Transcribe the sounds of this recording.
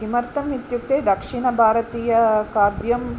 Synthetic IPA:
imɐɾt̪ɐmit̪juk̚t̪eːd̪ɐkʂiɳɐbʱaːɾɐt̪iːjɐkaːd̪jɐm

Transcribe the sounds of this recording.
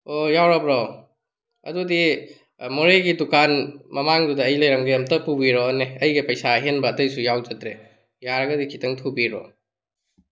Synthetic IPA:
ojawɾabɾɔ | ɐ̰dudi | moɾeɡidukanmɐmaŋdudɐɐjlɐjɾɐŋɡijamtɐpubiɾɔneɐjɡipɐjsaɦenbɐːtɐjsujawd͡ʒɐtɾe | jaɾɐɡɐdikʰitʰɐŋtʰubiɾɔ̰

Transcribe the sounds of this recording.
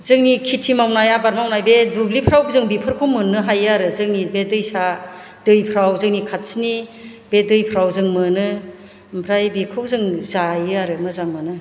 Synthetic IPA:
zɯŋnikʰitʰimawnajabaɾmawnajbedublipʰɾawzɯŋbipʰɯɾkʰomɯnɯɦajaɾɯzɯŋnibedɯjsa | dɯjpʰɾawzɯŋnikʰat̚snibedɯjpʰɾawzɯŋmɯnɯ | mpʰɾajbikʰɯwzɯŋzajɯaɾɯmɯzaŋmɯnɯ

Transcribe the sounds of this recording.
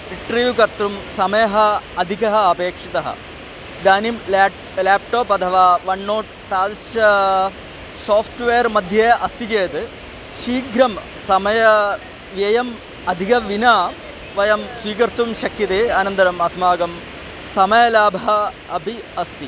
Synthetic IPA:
iɳʈɐɾʋjukɐɾt̪ɾumsɐmɐjɐɦɐɐd̪ʱikɐɦɐɐpeːkʂit̪ɐɦɐ̰ | d̪aːnim | laːp̚ʈoːpɐd̪ʰʱɐʋaːʋɐɳːoːʈ | t̪aːlʃɐ | soːpʰʈʋeːɐɾmɐd̪ʱjɐʔɐst̪it͡ɕeːt̪ɨ | ʂiːɡɾɐm | sɐmɐjɐ | ʋjɐjɐm | ɐd̪ʱikɐʋinaː | ʋɐjɐmsʋiːkɐɾt̪ɾumʃɐkʰːit̪eɐnɐnd̪ɐɾɐmɐsmaːɡɐm | sɐmɐjɐlaːbʱɐɦɐ | ɐbʱiɐst̪i

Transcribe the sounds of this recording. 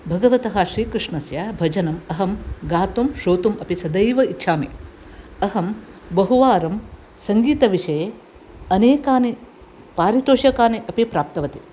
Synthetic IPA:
bʱɐɡɐʋɐt̪ɐɦɐʃɾiːkɾɨʂɳɐsjaːbʱɐd͡ʒɐnɐmɐɦɐmɡaːt̪umʃoːt̪umɐpisɐd̪ɐjʋɐitːʃʰaːmḛː | ɐɦɐmbɐɦuʋaːɾɐm | sɐŋɡiːt̪ɐʋiʂɐje | ɐneːkaːni | paːɾit̪oːʃɐkaːniʔɐpipɾaːp̚t̪ɐʋɐt̪i̥

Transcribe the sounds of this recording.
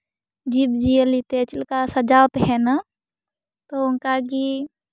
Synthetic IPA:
d͡ʒibd͡ʒiəlit̪et͡ʃɪlkasəd͡ʒaːwt̪ɦɛna | t̪oʊnkaɡi

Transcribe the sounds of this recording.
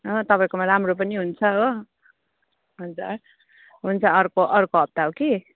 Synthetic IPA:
ɦot̪ʌpaĩkomaɾamrop̬ʌniɦunt͡sʰʌɦo | ɦʌd͡za̰r | ɦunt͡sʰʌʌrkoʔʌrkoɦʌb̚t̪aɦoki

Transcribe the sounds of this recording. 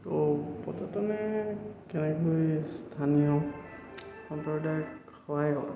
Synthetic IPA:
opɔtʰɔtɔnɛkɛnɛkojstʰanijɔ | xɔntɔɹdaj | xxɔɦajɡɔ̰ɹ

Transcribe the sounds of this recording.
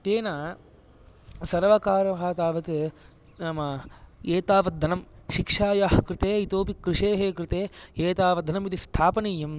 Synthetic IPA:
t̪eːnaː | sɐɾʋɐkaːɾɐɦaːt̪aːʋɐt̪ | naːmɐeːt̪aːʋɐd̪ʱːɐnɐmʃikʂaːjaːhɐkɾɪt̪eːit̪oːpikɾɪʂeːɦeːkɾɪt̪eːeːt̪aːʋɐd̪ʱɐnɐmit̪ist̪ʰaːpɐnijɐm

